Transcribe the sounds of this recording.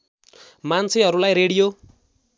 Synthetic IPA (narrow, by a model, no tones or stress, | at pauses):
mant͡sʰiɦʌɾulajreɽijo